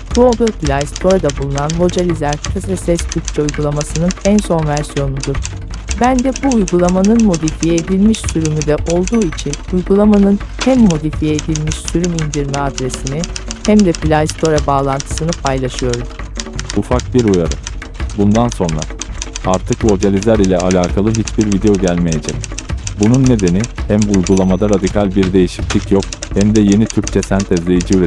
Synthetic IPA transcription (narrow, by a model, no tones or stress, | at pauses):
kʰlob̪øplʲajst̪ʰo̞ɾad̪abulˠunanvo̞d͡ʒalʲizæɾt̪ʰkɯsɾɛsɛsb̪ʰykt͡ʃʰɛujɡulˠamasɯnɯnænso̞nvæɾsijo̞nud̪uɾ̥ | bænd̪ɛbuːjɡulˠamanɯnmo̞d̪ifijɛed̪ilʲmiʃsyɾymyd̪ɛʔo̞lˠd̪uːit͡ʃʰinujɡulˠamanɯnhæmːo̞d̪ifijɛːd̪ilʲmiʃsyɾymind̪iɾmɛad̪ɾe̞sinihæmd̪ɛplʲast̪ʰo̞ɾabaːlˠant̪ʰɯ̥sɯnɯpʰajlˠaʃɯjo̞ɾ | ufak̚biɾujaɾɯ | bund̪anso̞nɾa̰aɾt̪ʰɯkvo̞d͡ʒalʲizlʲæɾilʲɛalʲaːkʰalˠɯɦit͡ʃbiɾvid̪e̞jo̞ɟælʲme̞jed͡ʒɛcbununːe̞d̪e̞nihæmbːjɡulˠamad̪aɾad̪ikʰalʲbiɾd̪e̞jiʃiclʲicjokhæmd̪ɛje̞nit̪ʰyɾct͡ʃʰɛsænt̪ʰɛzlʲe̞jid͡ʒiyɾɛ